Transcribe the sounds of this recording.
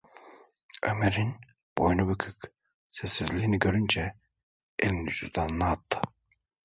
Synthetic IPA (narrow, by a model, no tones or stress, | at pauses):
ø̰meɾin | b̥ojnubykʰyk | sɛsːizlʲiːniɟøɾynd͡ʒɛ | ḛlʲimd̪ysyzd̪annaːt̪ʰːɯ̥